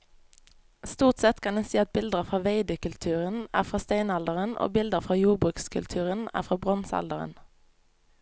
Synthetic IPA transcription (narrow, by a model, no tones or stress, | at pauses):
st̪uːʁt̪sɛt̪kʰɑnɛnsiːɑt̪̚bɪld̪əfʁɑːʋeɪd̪əkʉlt̪ʰʉːʁənæ̰ːʁfʁɑːst̪eɪnɑld̪əʁənʔo̰ːbɪld̪əʁfʁɑːjuːʁbʁʉːkskʰʉ̰lt̪ʰʉːʁənæ̰ːfʁɑːbʁɔnsɑ̰ld̪əʁə̰n